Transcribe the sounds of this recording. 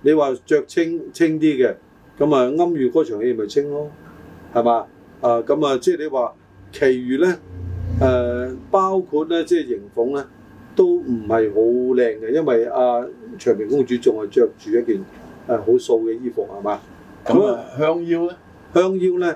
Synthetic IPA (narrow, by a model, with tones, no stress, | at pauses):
ne˨˧jwaː˨t͡ʃœː˧k̚t͡sʰɪ˥ŋt͡sʰɪ˥ŋt̪̬iː˥ɡɛ˧ | kɐ˨˥mɐː˨ŋɐ˥mjyː˨kɔː˨˥t͡ʃʰœː˨˩ŋeː˨˧˩mɐ˨˩jt͡sʰɪ˥ŋlɔː˥hɐ˨jmaː˨˧ | ʔaː˧kɐ˨˥mɐː˨t͡sɛː˥˩le˨˧waː˨ | kʰe˨˩jɥyː˨lɛː˦˥ɛː˨˧paː˥wkʰuː˧t̚lɛː˥t͡sɛː˥˩jɪ˨˩ŋfʊ˨˥ŋlɛː˥ | t̪o˥wm̩˨˩hɐ˨jɦo˨˥wlɛː˧ŋɡɛ˧jɐ˥nwɐ˨jaː˧t͡ʃʰœː˨˩ŋmi˨˩ŋkʊ˥ŋt͡ʃyː˨˥t͡sʊ˨ŋhɐ˨jt͡ʃœː˧k̚t͡ʃyː˨jɐ˥t̚kiː˨n | ɛ˨ɦo˨˥wso˧wkɛ˧jiː˥fʊ˨k̚hɐ˨˩maː˨˧ | kɐ˦˨˦m˨hœː˥ŋjiː˥wɛ˥ | hœː˥ŋjiː˥wlɛː˥